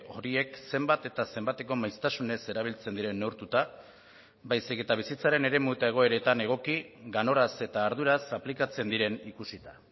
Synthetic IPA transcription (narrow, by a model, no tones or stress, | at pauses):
o̞ɾie̞kse̞mbat̪e̞t̪ase̞mbat̪e̞ko̞majst̪asune̞se̞ɾaβ̞ilt͡se̞nd̪iɾe̞nːewɾt̪ut̪a | bajsike̞t̪aβ̞isit͡saɾe̞ne̞ɾe̞muet̪ae̞ɣ̞o̞e̞ɾe̞t̪ane̞ɣ̞o̞kiɣano̞ɾase̞t̪aːɾð̞uɾasaplikat͡se̞nd̪iɾe̞nikusit̪a